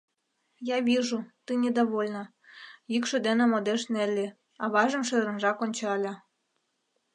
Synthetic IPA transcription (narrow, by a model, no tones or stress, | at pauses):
jɑβiʒut̪ɨnʲed̪oβolʲnɤ̆ | jykʃø̆d̪enĕmod̪eʃnelʲːe | ɑβɑʒə̆mʃøɾə̆nʒɑkonʲt͡ɕɑlʲɑ